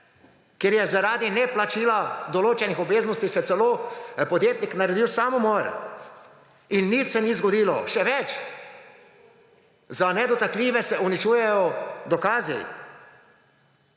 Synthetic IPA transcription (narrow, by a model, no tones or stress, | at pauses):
keɾjɛzaɾaːd̪inɛplat͡ʃiːlad̪ɔloːt͡ʃɛnixɔbeːznɔst̪isɛt̪sɛloːpɔd̪jeːt̪niknaɾɛd̪iwsaːmumɔɾ | inːit̪sɛnizɡɔd̪iːlɔʃɛʋɛt͡ʃ | zanɛd̪ɔt̪akliːʋɛsɛunit͡ʃuːjɛjɔd̪ɔkaːzḭ